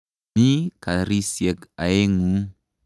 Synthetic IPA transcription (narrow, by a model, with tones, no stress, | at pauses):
ni˦ka˨ɾi˦sjɛ˨ka˨e˦ŋu˦